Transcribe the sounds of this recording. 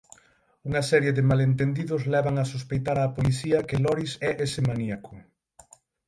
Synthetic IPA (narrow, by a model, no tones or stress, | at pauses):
uŋɐsɛɾjeðɪmalent̪end̪iðʊzlɛβaŋɐsuspejt̪aɾaːpoliθiɐkɪlɔɾisɛʔesɪmaniakʰʊ